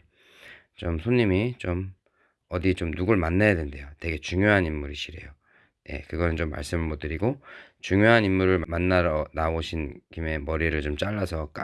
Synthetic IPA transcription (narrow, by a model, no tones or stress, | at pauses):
t͡ɕomsʰoɲimit͡ɕom | ʌdit͡ɕomnuɡuɭmanːajadwe̞nde̞jote̞ɡe̞t͡ɕuŋjoɦaninmmuɾiɕʰiɾe̞̰jo | je̞̰kɯɡʌnɯnt͡ɕomːa̰ɭs͈ɯmɯɭmodɯɾiɡot͡ɕuŋjoɦanimmuɾɯɭmanːaɾʌnaoɕʰinkime̞mʌɾiɾɯɭt͡ɕomt͡ɕ͈aɭːasʰʌk͈a